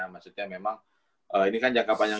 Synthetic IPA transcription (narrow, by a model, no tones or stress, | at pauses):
amasut̪̚ɲamemaŋ | ʔəinikand͡ʒaŋkapaɲaŋ